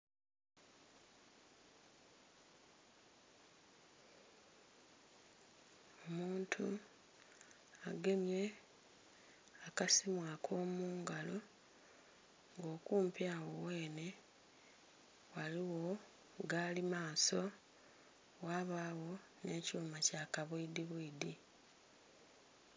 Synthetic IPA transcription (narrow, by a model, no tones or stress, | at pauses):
o̞muːntʰu | aɡe̞mje̞ | akasimwakʰo̞ːmuːŋɡalo̞ | ŋɡo̞ːkuːmpjawowe̞ːne̞ | waliwo̞ | ɡaːlimaːso̞ | waːβaːwo̞ | ne̞ːcuːmacakaβwiidiβiidi